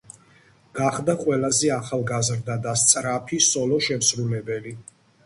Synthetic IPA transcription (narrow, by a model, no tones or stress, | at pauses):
ɡ̥aχd̪aqʼwɛlazɛaχalˠɡazɾd̪ad̪ast̪sʼɾapʰisɔlɔʃɛmsɾulɛbɛli